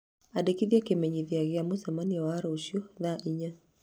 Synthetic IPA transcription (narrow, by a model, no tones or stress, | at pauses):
adekiðjakemɛɲiðiaɣeamosamaniawaːɾɔuʃjɔðaʔiɲa